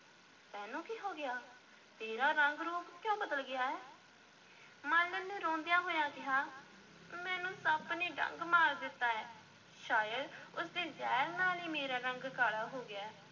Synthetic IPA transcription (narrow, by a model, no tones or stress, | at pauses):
t̪ɛ̃ːnũːkiːɦoːɡɪjaː | t̪eːɾaːɾəŋɡɾoːkkjõːbəd̪əlɡɪjaːɛː | mə̃ːlːənẽːɾõːnd̪ɪjãːɦoːjãːkɪɦaː | mɛ̃ːnũːsəbniːɖə̰̃ŋɡmaːɾd̪ɪt̪ːaːɛː | ʃaːjəd̪ʊsd̪eːzɛːɾnaːniːmeːɾaːɾəŋɡkaːɽaːɦoːɡɪaː